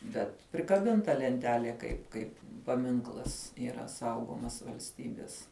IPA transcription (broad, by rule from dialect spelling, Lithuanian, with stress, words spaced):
bʲɛt pʲrʲɪkɐˈbʲɪntɐ lʲɛnʲˈtʲæːlʲiɛ kɐɪp ˈkɐɪp pɐˈmʲɪŋklˠɐs iːˈrɐ ˈsɐʊɡoːmɐs ʋɐlʲsʲˈtʲiːbʲɪs